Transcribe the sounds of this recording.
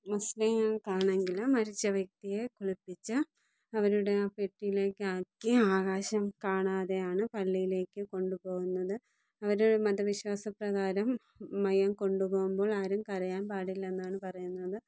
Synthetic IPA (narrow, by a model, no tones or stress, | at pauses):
mɐslɐjakaːɳe̞ŋɡilɨmːɐɾit͡ɕːɐʋjɐk̚t̪ije̞koɭipːit͡ɕːɨ | ɐʋɐɾuɽe̞peʈːijile̞ːkːɨaːkːiaːɣaːɕɐmkaːɳaːðejaːɳɨpɐlːijile̞ːkːɨko̞ɳɖupo̞ːɣunːɐðɨ | ɐʋɐɾuɽemɐd̪ɐʋiɕwaːsɐprɐɣaːɾɐmː | ɐjɐmko̞ɳɖupo̞ːɣumbo̞ːɭaːɾumkɐɾɐjaːnpaːɽilːe̞nːaːɳɨpɐrɐjunːɐðɨ